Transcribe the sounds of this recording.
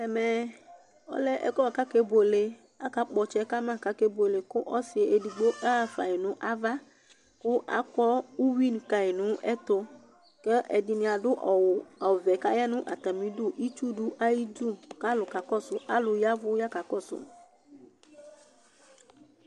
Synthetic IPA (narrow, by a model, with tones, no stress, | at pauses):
ɛ˨mɛ˨ | ɔ̰˦lɛ˦ʔɛ̰˦kɔ˦wa˨ka˦ke˦bo˨le˨ | a˦ka˦k͡pɔ˨t͡ʃɛ˦ka˦mã˦˨ka˦ke˦bo˨le˨kʊ˦ʔɔ˦si˨e˨ʔe˨di˨ɡ͡bo˦ʔa˦˨fa̰˨i˨nʊ̃˦ʔa˦va˦ | kʊ˦ʔa̰˦kɔ˦wu˦wi˦n˨ka˨e˨nũ˨˦ɛ˦t̪ʊ˦ | kɛ˦ʔɛ˨di˨nĩ˨a˨ɖʊ˦ʔa˨vɛ˨ka˦ja˦nũ˦ʔa˨t̪a˨mĩ˦dʊ˦˨ʔi˦t͡ʃu˦ɖʊ˦ʔa˦ji˦du˦˨mka˦lʊ˨ka˨kɔ˦sʊ˦ʔa˨lʊ˨ja˦vʊ˦ja˦ka˨kɔ˦˨sʊ̰˦